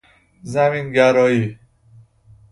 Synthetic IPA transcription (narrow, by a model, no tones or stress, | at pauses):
zæminɡæɾɔːi